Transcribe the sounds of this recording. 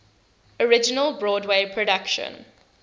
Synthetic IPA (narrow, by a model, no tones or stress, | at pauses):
ɔɹɪd͡ʒɪnəlbɹɔːdweɪpʰɹɔdakʃə̰̃n